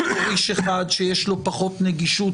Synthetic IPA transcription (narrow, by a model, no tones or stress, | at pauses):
iʃeχad̪ʃejeʃlo̞paχo̞t̪neɡiʃu